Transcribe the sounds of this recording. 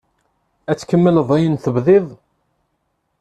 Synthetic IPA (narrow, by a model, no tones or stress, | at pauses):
æt͡sːkəmːələðˤæjənθəbðɪðˤ